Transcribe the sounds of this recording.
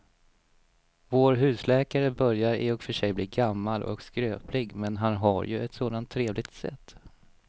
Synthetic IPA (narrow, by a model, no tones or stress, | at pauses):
voːɾɦʉ̟ːslɛːkaɾəbœɾjaɾɪ̰ɔkfœʂɛjbliːɡamːalʔɔ̰kskɾøːplɪɡmɛnɦanɦaɾjɵɛt̪soːd̪ant̪ʰːɾeːvlɪɡt̪sɛ̰t̪ː